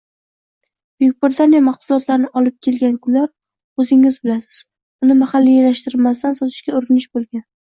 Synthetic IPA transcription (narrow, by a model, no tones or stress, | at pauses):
bjʊk̚ʲbɪɾɪt̪ʰanijamaqsʊlɒt̪laɾɪnɪʔɒlɪp̚kʲʰe̞lɡʲankʰʊnːaɾ | ɵzɪŋɪzbɪlasɪ̥z̥ | ʊnɪmaχalːijelaʃt̪ɪɾɪlmas̬t̪ansɒt̪ʰɪ̥ʃkʲaʊɾɪnɪʃbolˠɡʲan